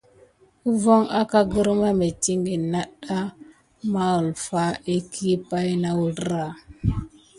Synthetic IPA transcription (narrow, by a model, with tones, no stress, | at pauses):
u˦vo˦ŋa˦ka˦ɡə˦ɾma˦me˨ti˦ŋɡi˨na˦ɗa˦ | ma˦ə˨lfa˦e˦kʰi˦pa˦jna˦wu˦ɾɾa˨